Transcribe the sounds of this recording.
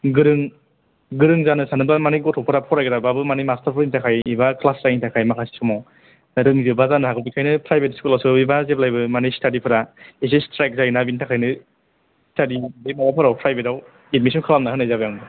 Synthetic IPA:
ɡɯɾɯŋ | ɡɯɾɯŋzanɯsanɯbamaniɡɔtʰɔpʰɯɾapʰɔɾajɡɯɾababɯmanijmastʰaɾpʰɯɾintʰakʰajibakʰlasɾajitakʰajmakʰasi̥sʰɔmɔ | nɾɯŋzɯbazanɯhaɡʰɯbikʰajnɯpʰɾajbetskulawsɯibazep̚lajbɯmanistadipʰɯɾaes̬estɾajk̚zajnabintʰakʰajnɯ | stʰadibemaapʰɯɾawpʰɾajbetaw | et̚mis̬ʰɔnkʰalamnaɦɯnajzabɯjaŋbɯ

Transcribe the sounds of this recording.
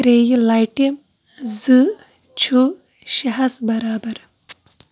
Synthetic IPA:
ɾeːjilɐjʈim | zɨ | t͡ʃʰu | ʃɐɦɐsbɐɾaːbɐɾ

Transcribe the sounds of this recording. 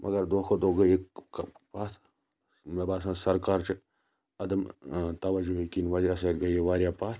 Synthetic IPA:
mʔɐ̰ɡɐɾd̪oːkʰod̪oɡɐjekpaːt̪ʰ | mebaːsãːnsɐɾkaːɾt͡ʃi | ɐd̪ɐmt̪ɐʋɐd͡ʒuɦekinʋɐd͡ʒasɐɾɡɐjeʋaːɾjapaːt̪

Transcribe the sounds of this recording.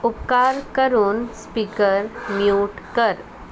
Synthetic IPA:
upkaɾkəɾuːnspikəɾmjuːʈkəɾ

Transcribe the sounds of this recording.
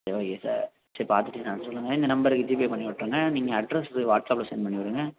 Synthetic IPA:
eʋaːjesa̰ɾ | sɐɾpaːɾt̪ɯʈːɯnaːnsɔlːɯŋɡɐɪnd̪ɐnɐmbɐɾɯkːɯd͡ʒiːp̬epɐɳːipɐʈːɾɯːŋɡɐniːŋɡɐɐɖɾɛsɯʋaːʈsaːplɐsɛjnpɐɳːiʋɐɾɯːŋɡɐ

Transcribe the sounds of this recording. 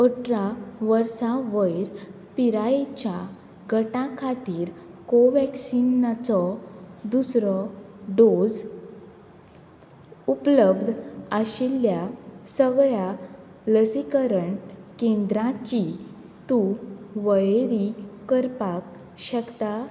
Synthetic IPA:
əʈɾaʋəɾsaʋəjɾ | piɾaet͡ɕa | ɡʱəʈãkʰat̪iːɾkoʋɛksinːat͡sɔd̪usɾɔɖod͡z | upləbd̪ʱaɕilːjasəɡɭa | ləsikəɾəɳkẽnd̪ɾãt͡ɕi | t̪uʋəjeɾikəɾpak | ɕəkt̪a

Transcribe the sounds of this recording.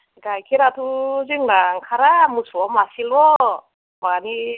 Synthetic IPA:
ɡajkʰiɾat̪ʰuzɯŋnaŋkʰaɾamusɔmasilɔ | mani

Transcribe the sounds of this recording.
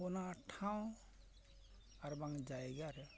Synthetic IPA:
ɔnaʈʰaw̃ | aɾbaŋd͡ʒajɡaɾɛ

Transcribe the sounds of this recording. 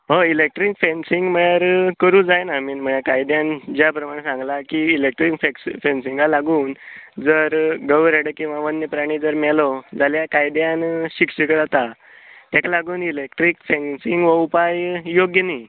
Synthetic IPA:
ɦəilek̚ʈɾikfensiŋɡməɭjaɾkəɾũːd͡zajnamiːnm̤əɳakajd̪jãnd͡ʑjapɾəmaɽesãŋɡlakiːlek̚ʈɾikfeksfensiŋɡalaɡuːnd͡zəɾɡəʋɾeɽəkĩw̃ʋaʋənːəpɾaɽ̃iːd͡zəɾmɛlɔd͡zaljakajd̪janɕikɕəkəɾat̪a | t̪akalaɡuːnilek̚ʈɾikfẽnsiŋɡʋəupajjoɡjəniː

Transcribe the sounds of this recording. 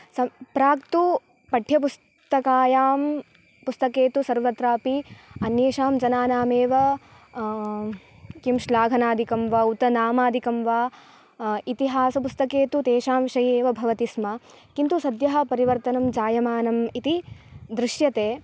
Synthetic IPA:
sɐpɾaːkt̪u | pɐʈʰjɐpus | t̪ɐkaːjaːm | pust̪ɐkeːt̪usɐɾʋɐt̪ɾaːpiɐnjeːʃaːmd͡ʒɐnaːnaːmeːʋɐ | kimʃlaːɡʱɐnaːd̪ʱikɐmʋaːut̪ɐnaːmaːd̪ʱikɐmʋaː | it̪iɦaːsɐpust̪ɐkeːt̪ut̪eːʃaːmʋʃɐjeːʋɐbʱɐʋɐt̪ismɐ | kint̪usɐd̪jɐɦɐ̆pɐɾiʋɐɾt̪ɐnɐmd͡ʒaːjɐmaːnɐmit̪id̪ɾɪʃjɐt̪eː

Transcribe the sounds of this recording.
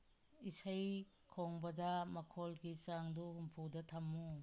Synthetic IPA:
isɐj | kʰoŋbɐdɐmɐkʰolɡit͡ʃaŋduhumpʰudɐtʰɐmːu

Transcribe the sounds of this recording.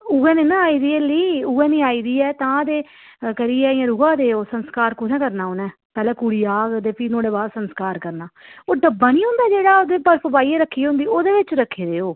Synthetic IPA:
uɡɛ̃ːnẽːnãːaːiːd̪iːəliːuːɛ̃ːnĩːaːiːd̪iːɛːt̪ãːd̪eː | kəɾiːɛːɪjãːɾʊɡãːd̪eːoːsənskaːɾkʊnɛ̃ːkəɾnaːoːnɛː | pɛːlɛ̃ːkuːɽiːaːɡd̪eːpiːnõːɽeːbaːsənskaːɾkəɾnaːoːɖəbːaːniːɦʊ̃nd̪aːd͡ʒeːɽaːod̪eːpəɾpəbaːiːeːɾəkʰːiːɦʊ̃nd̪iːoːd̪eːʋɪt͡ʃɾəkʰːeːd̪eːoː

